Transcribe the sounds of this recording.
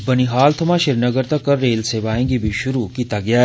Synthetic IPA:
bɐniɦaːlt̪ʰɐmãːʃɪɾnɐɡəɾt̪ɐkːɐːeːlseːʋaːẽːɡibʱiʃʊɾukiːt̪aɡɪjaː

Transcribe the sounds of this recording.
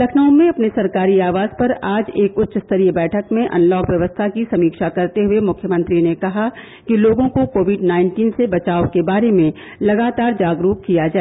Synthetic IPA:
lɐkʰnaõmẽɐpnesɐɾkaːɾiaːʋaːzpɐɾaːd͡ʒeːkʊt̪ːʃəst̪ɐɾijəbɛːʈʰəkmẽʔɐ̰̃nlɔːkʋjɐʋəst̪ʰakisɐmiːkʃakɐɾt̪eɦʊemʊkʰjəmə̃nt̪ɾinekɐɦa | kiloːɡõkokoːʋɪɖnaːɪɳʈiːnsebɐt͡ʃaːokebaːɾemẽ | lɐɡaːt̪aːɾd͡ʒaːɡɾuːp̚kijad͡ʒaːɛ

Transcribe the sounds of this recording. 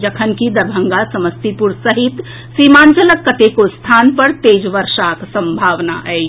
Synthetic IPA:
d͡ʒəkʰənkid̪əɾbʱəŋɡasəməst̪ipuɾsəɦit̪ | simant͡ʃələkːət̪ekost̪ʰanpəɾt̪ed͡ʒʋəɾʃaksə̃mbʱaʋna̰ʔəɪ

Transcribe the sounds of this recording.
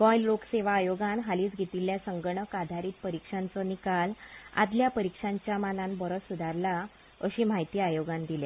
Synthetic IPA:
bɔjllokseʋ̤aːjoɡanɦaliːt͡sɡʱet̪iljasəŋɡɳəkad̪ʱaɾiːt̪̚pəɾikʂant͡sɔnikala̰d̪ljapəɾikʂaɲt͡ɕjamanãnbəɾɔsud̪ʱaɾla | əɕiːm̤aɦjt̪iːajoɡand̪ile

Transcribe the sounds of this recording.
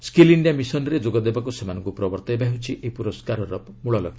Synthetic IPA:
skiliɳɖijamisɔnɾed͡ʒoɡɔd̪ebakusemanɔŋkupɾɔbɔɾt̪ɔebaɦiut͡ʃʰiʔepuɾɔskaɾɔɾɔmuɭɔlɔɡi

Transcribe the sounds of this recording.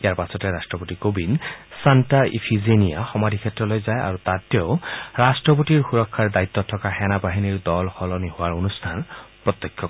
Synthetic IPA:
ijaɹpasʰɔtɛɹastɹɔpotikobinsantaḭpʰizenijaxɔmadʱikʰɛtːɹɔlojzaja̰ɹut̪atɛʊɹastɹɔpotiɹxuɹɔkʰːaɹdait̪ːɔtʰːɔkaxɛnabaɦiniɹdɔlxɔlɔnihʊwaɹonustʰanpɹɔt̪ːɔkʰjɔ

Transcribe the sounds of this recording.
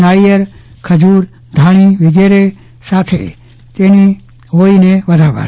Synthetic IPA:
naijəɾ | kʰəd͡ʒuɾ | d̪ʱaɽ̃iʋɪɡeɾe | sat̪ʰḛ | t̪eni | oɭineʋəd̪ʱaʋə̰ɾ

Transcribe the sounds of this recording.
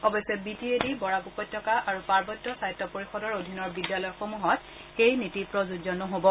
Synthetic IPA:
ɔbɔjsɔbitiedibɔɹapukɔtʰːɔkaʔaɹupaɹbɔtːɔsajtːɔpoɹixɔdɔɹodʱinɔɹbidjalɔjɔxomuɦɔt | xejnitipɹozuzɔnɔɦobɔ

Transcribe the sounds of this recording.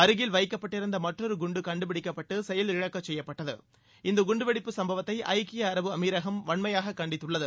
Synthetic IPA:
ɐɾɯɣɪlʋɐɪkːɐpːɐʈːɪɾɯnd̪ɐmɐʈrɔɾɯɡʊɳɖɯkɐɳɖɯpɪɽɪkːɐpːɐʈːɯsɛjɐlɪɻɐkːɐt͡ʃːsɛjːɐpːɐʈːɐðɯ̰ | ɪnd̪ɐɡʊɳɖɯʋɪɽɪpːɯsɐmbɐʋɐt̪ːɐɪʔɐ̰ɪkːɪjɐːɾɐʋɯɐmiːɾɐɣɐmʋɐɳmɐjaːɣɐkːɐɳɖɪt̪ːɯɭːɐðɯ

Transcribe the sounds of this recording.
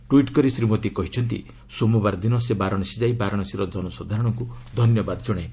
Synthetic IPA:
ʈuiʈkɔɾisɾimot̪ikɔɦit͡ʃʰɔnt̪̬ḭ | somubaɾd̪inɔsebaɾɔɽ̃ɔsid͡ʒajbaɾɔɽ̃ɔsiɾɔd̪ɔnɔsɔd̪ʱaɾɔɽ̃ɔŋkud̪ʱɔnjɔbad̪ɔd͡ʒɔɽ̃e

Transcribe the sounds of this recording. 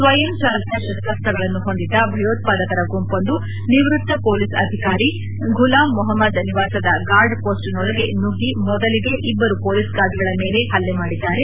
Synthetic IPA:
sʋɐjɐmt͡ʃaːlɐt̪jɐʃɐst̪ɐst̪ɐɡɐɭɐnːuɦo̞nd̪id̪ːɐbʱɐjoːt̪̚paːd̪ɐkɐɾɐɡompond̪u | niʋɾut̪ːɐpoːlisɐ̰d̪ʱikaːɾi | ɡʱulaːmːɔɦɐmːɐd̪niʋaːsɐd̪ɐɡaːɾɖpoːsʈinɔlɐɡe̞nuɡimɔd̪ɐliɡe̞ʔibːɐɾupoːlisɡaːɾɖɡɐɭɐme̞ːle̞ɦɐlːemaːɽid̪ːaːɾe

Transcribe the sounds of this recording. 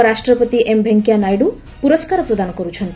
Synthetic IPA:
ɾaʃʈɾɔpot̪iʔembʱeŋkijanajɖu | puɾoskaɾɔpɾod̪anɔkoɾut͡ɕʰɔnt̪

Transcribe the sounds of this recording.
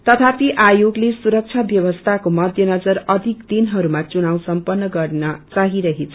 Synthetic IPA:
t̪ʌt̪ʰapiʔajoɡlesuɾʌk̚t͡sʰʌbjʌwʌst̪ʰakomʌd̪ʱjʌnʌd͡zʌɾʌd̪ʱikd̪inɦʌɾumat͡sunaw̃sʌmpʌnːʌɡʌrnʌt͡saɦiɾʌɦet͡sʰʌ

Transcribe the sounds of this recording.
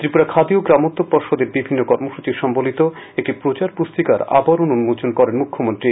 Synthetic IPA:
t̪ɾipuɾakʰad̪ioɡɾamot̪ːopoɾʃod̪eɾbibʱinːokɔɾmoʃut͡ɕiʃɔmbolit̪o | ekʈipɾot͡ɕaɾpust̪ikaɾa̰baɾonunmod͡ʑonkɔɾenmukʰːomont̪ɾi

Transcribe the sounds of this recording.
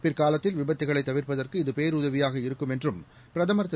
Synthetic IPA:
pɪrkaːlɐt̪ːɪlʋɪbɐt̪ːɪɣɐɭɐɪt̪ːɐʋɪɾpɐðɐrkɯɪðɯpeːɾʊðɐʋɪjaːɣɐɪɾɯkːɯmɛndrɯm | pɪɾɐðɐmɐɾɐt̪ː

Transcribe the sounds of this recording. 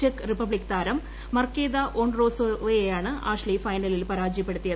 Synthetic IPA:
ekːɨripɐbɭikːt̪aːɾɐmː | ɐrkeːd̪ɐʔoːɳro̞ːsojejaːɳɨa̰ːʂlifɐjnɐlilpɐɾaːd͡ʑjɐpːeɽut̪ːijɐ

